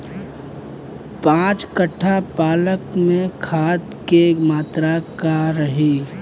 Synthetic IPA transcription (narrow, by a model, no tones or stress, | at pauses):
pãːt͡ʃkəʈʰːapaːləkmẽkʰaːt̪kemaːt̪ɾakaɾəɦe